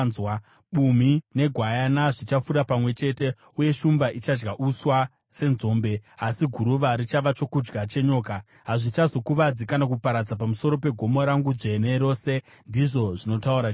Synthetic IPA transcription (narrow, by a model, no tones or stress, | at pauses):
zwa | ɓum̤ine̞ɡʱwajanaʐit͡ʃafuɾapamwe̞t͡ʃe̞te̞ | uje̞ʃumbaʔit͡ʃad͡ʒɡaʔuswa | se̞nzo̞ːmbe̞asiɡʱuɾuʋaɾit͡ʃaʋat͡ʃo̞kud͡ʒɡat͡ʃe̞ɲo̞ːka | ɦaʐit͡ʃazo̞kuʋad͡zikanak̬upaɾad͡zap̬amuso̞ɾo̞pe̞ɡʱo̞moɾaŋɡuʐe̞ne̞ɾo̞ːse̞ | ndiʐo̞ʐino̞tauɾa